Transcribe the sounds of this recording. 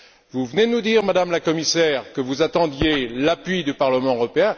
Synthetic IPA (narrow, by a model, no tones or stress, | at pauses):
vuvəned̪ənud̪iʁmad̪amlakɔmisɛːʁkəvuzat̪ɑ̃d̪jelapɥid̪ypaʁləmɑ̃øʁɔpeɛ̃